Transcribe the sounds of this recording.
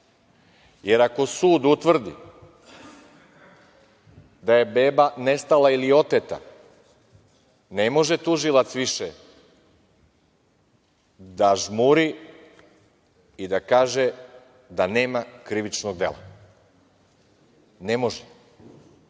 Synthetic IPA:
je̞ɾako̞suːd̪ut̪ʋr̩d̪ḭ | d̪aje̞be̞ːbane̞st̪alailio̞t̪et̪a̰ | ne̞mo̞ʒet̪uʒilˠat̪sʋiʃe | d̪aʒmuɾi | id̪akaːʒe | d̪aneːmakɾiʋit͡ʃnoɡ̚d̪e̞̰la̰ | ne̞mo̞ʒe

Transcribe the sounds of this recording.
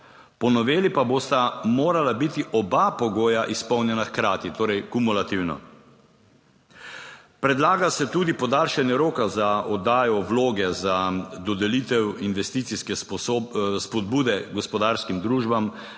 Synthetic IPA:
pɔnɔʋeːlipaboːst̪amoːɾalabit̪iʔɔbapɔɡoːjaʔispɔwnjɛnaxkɾaːt̪it̪oːɾɛjkumulat̪iwnɔ̰ | pɾɛd̪laːɡasɛt̪uːd̪ipɔd̪aːlʃɛnjɛɾoːkazaɔd̪aːjɔwloːɡɛzad̪ɔd̪ɛliːt̪ɛwinʋɛst̪it̪siskɛ | spɔd̪̚buːd̪ɛɡɔspɔd̪aːɾskimd̪ɾuːʒbam

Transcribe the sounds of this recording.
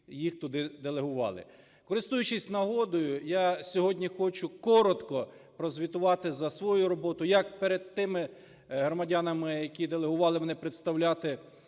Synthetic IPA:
jixt̪ʊd̪ɪd̪elˠeɦʊʋɑ̰lˠɪ̰ | kɔɾɪst̪ujʊt͡ʃisʲtʲnɐɦɔd̪ɔjʊjasʲɔɦɔdʲnʲixɔt͡ʃʊkɔɾɔt̪kɔ | pɾɔzʲʋʲit̪ʊʋɑt̪ɪzɐsʋɔjuɾɔbɔt̪ʊjɐk̚peɾed̪̚t̪ɪmɪ | ɦɾɔmɐdʲanɐmɪjɐkʲid̪elˠeɦʊʋɑlˠɪmɛnɛpɾet̪st̪ɐwlʲat̪ɪ

